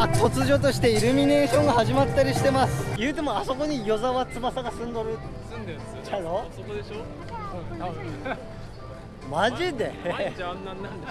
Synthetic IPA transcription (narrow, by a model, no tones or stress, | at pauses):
ko̞t͡sɨʑo̞t̪o̞ɕi̥t̪e̞iɾɯ̟mʲine̞ːɕõ̞ŋɡahaʑimat̪ːaɾʲiɕi̥t̪e̞masɨ̥jɯ̟ːt̪e̞mo̞aso̞ko̞ɲ̟ijo̞zaβat͡sɨbasaɡasɨ̃nd̪o̞ɾɯ | nd̪e | t͡ɕanosod̪eɕo | maʑid̪e̞ | n